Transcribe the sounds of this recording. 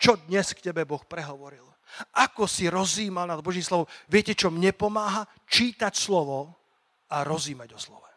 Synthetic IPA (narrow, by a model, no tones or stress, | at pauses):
t͡ʃɔd̪ɲɛskcɛbɛbɔxpɾɛɦɔʋɔɾil | ʔakɔsiɾɔziːmalnad̪bɔʒimslɔʋɔmʋɪɛcɛt͡ʃɔmɲɛpɔmaːɦa | t͡ʃiːt̪acslɔʋɔ | aɾɔziːmaɟɔslɔ̰ʋɛ